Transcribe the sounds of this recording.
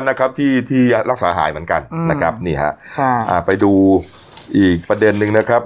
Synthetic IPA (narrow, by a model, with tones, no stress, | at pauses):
nːa˦˥kʰa˦˥p̚t̪ʰiː˥˩t̪ʰiː˥˩ɾa˦˥k̚saː˨˩˦ɦa̰ː˩˦jmɯ˩˦nka˧nna˦˥kʰɾa˦˥p̚niː˥˩ɦa̰˦˥ʔʰʔa̰ː˨˩pa˧jduː˧ | ʔiː˨˩k̚pɾa˧de˧nːɯ˧ŋna˦˥kʰa˦˥p̚